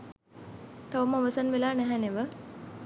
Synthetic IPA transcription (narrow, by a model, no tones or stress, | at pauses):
t̪aʋəməoʋəsanʋelaːnæɦɛneʋə